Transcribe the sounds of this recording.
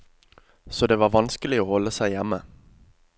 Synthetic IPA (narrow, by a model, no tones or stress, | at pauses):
sɔd̪eːʋɑːʁʋɑnskəlɪoːhɔlːəsæɪjɛmːə